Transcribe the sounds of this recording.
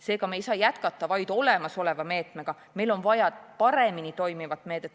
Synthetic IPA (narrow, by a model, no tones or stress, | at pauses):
se̞ːkɑmejsɑːjæt̪kɑt̪ˑːɑvɑjd̪̥o̞le̞mɑso̞le̞vɑme̞ːt̪ˑmeɡ̥ɑ | me̞jlo̞nvɑjɑpɑɾe̞minit̪o̞jmivɑt̪ːˑme̞ːd̪̥et̪ːˑ